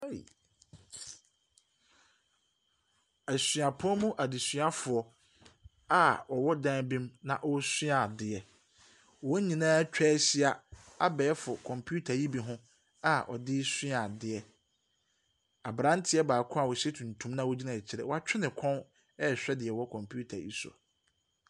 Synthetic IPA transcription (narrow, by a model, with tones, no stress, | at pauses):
æ˨ɕɥa˨pʰʊ˦ɔ˦mũ˦ʔa˨dɪ˨sɥa˦fʊ˨ɔ˨ | a˦ɔ˨wɔ˦dã˦bĩ˦mnã˨ʔɔ˦sĩ˦a˨dɪ˨ɛ˨ | wɔ˦ɲĩ˨nãː˦t͡ɕᶣɛ˦ɕɪ˦a˨ | a˦bɛː˨ɛ˦fʊ˨kʰɔ̃˨mpʰu˦tʰa˨ji˦bi˨ɦʊ̃˦ | a˦˨ɔ̰˨dɪ˦sĩ˦a˨dɪ˨ɛ˨ | a˨bɾã˦n˦tʰɪ˨˦ɛ˦baː˨kʰʊ̃˦a˨wɔ˨ɕɛ˦tʰũ˨n˨tʰũ˦mnã˦wo˦d͡ʑi˦nã˨t͡ɕʰɪ˨ɾɛ̰˨wɔ˨a˨t͡ɕʰᶣɪ˦nɪ̃˨kʰɔ̃˦n | ɛ˦˨ɕᶣɛ˦dɪ˨ɛ˨wɔ˦kʰɔ̃˨mpʰu˦tʰa̰˨jḭ˦sɔ̰˨